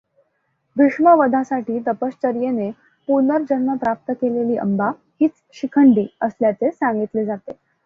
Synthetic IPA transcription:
biʂməʋəd̪ʱasaʈiːt̪əpəst͡ɕəɾjene | punəɾd͡ʑənməpɾap̚t̪əkeleliːʔə̰mba | hiːt͡s | ɕikʰəɳɖiːəsljat͡sesãŋɡit̪led͡zat̪e

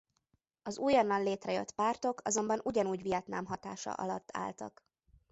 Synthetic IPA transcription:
ɒzuːjɒnːɒnleːt̪rɛjø̞̰t̪ːpaːrt̪o̞kʰɒzo̞mbɒnʔuɟɒnuːɟʋijɒt̪naːmɦɒt̪a̰ːʃɒ̰ʔɒ̰lɒt̪ːa̰ːlt̪ɒ̰k

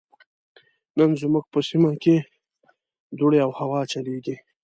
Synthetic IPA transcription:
nənzmuɡ̚pəsimake | d̪uɽeawhawɑt͡ʃaleɡi

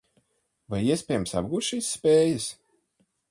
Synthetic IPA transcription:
vajiɛsʲpʲɛːjmsa̰bɡuːt̪ʃiːsːpʲeːjɐs

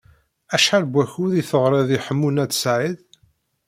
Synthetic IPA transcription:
æʃħalbʷæçuðiθəʁɾˤeðiħəmːunæt͡sːsʕið

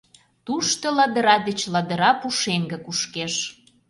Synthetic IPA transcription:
t̪uʃt̪ŏlɑd̪ə̆ɾɑd̪ət͡ɕlɑd̪ə̆ɾɑpuʃeŋɡə̆kuʃkeʃ

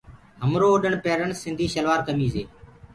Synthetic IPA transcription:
ɦəmɾoːɗəɳpeːɾəɳsɪnd̪ʱiːʃəlʋaːɾkəmiːzeː

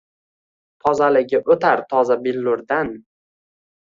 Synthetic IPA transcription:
t̪ʰɒzalɪɡʲɪʔot̪ʰaɾt̪ʰɒzabɪlːʊɾd̪an

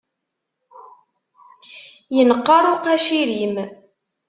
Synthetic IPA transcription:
jənəqːɑɾˤoqæʃiɾim

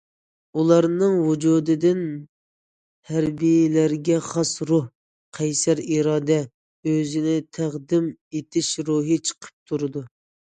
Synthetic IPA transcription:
ulˠɑɾnɨŋwud͡ʒuːd̪ɨd̪ɪn | hæɾbijlæɾɡʲɛχɑsɾuh | qʰɛjsæɾiɾɑːd̪ɛ | øzɪnɪt̪ʰæʁd̪ɪmet̪ʰɪʃɾuɦɨt͡ʃʰə̥qʰə̥p̚t̪ʰuɾɨd̪u

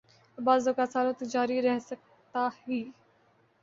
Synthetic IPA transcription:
baːzokaːsaːlõt̪əd͡ʒaːɾiɾɛɦsək̚ | t̪ahiː

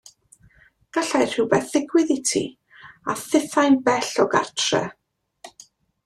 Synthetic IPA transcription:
ɡ̥aɬajr̥ɪwbɛθɪɡwɪðɪtʰḭ | aθɪθajnbɛɬɔɡa̰rtʰrɛ̰

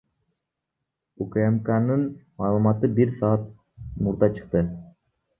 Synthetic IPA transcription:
ukemkanɯnmɑːlˠumɑt̪ɯbiɾsɑːɑt̪̚ | muɾd̪ɑt͡ʃʰɯ̥q̚t̪ɯ

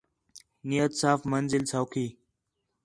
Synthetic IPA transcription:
nijət̪saːfmənzɪlsawkʰiː

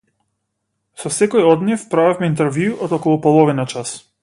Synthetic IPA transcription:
sɔsɛkɔjɔd̪nifpɾavɛfmɛint̪̬ɛɾvjuʔɔd̪ɔkɔlˠupɔlˠɔvinat͡ʃas

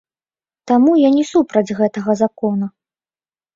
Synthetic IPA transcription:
t̪amujanʲɛsupɾɐd͡zʲɣɛt̪ɐɣɐzakɔnu

